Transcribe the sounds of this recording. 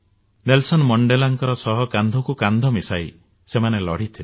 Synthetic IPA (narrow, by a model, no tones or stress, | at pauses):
nelsɔnmɔɳɖelaŋkɔɾɔsɔɦɔkand̪ʱɔkukand̪ʱɔmisaj | semanelɔɽ̤it̪ʰil